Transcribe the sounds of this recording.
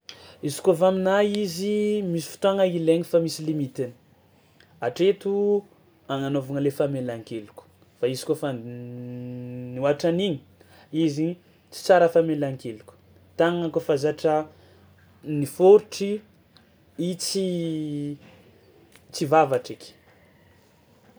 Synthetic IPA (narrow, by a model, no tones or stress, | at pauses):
izi̥kofaminaizimisi̥fi̥t̪oaŋəileɲifamisilimit̪in̥ | aʈ͡ʂet̪u | aŋanovuŋəlefamelaŋkelukʲu̥ | faizi̥kofa | nuaʈ͡ʂaniɲi̥ | izi | t͡si̥t͡saɾəfamelaŋkelukʲu̥ | t̪aŋŋakofazaʈ͡ʂə | nifoɾuʈ͡ʂi | it͡si | t͡sivavaʈ͡ʂekʲi̥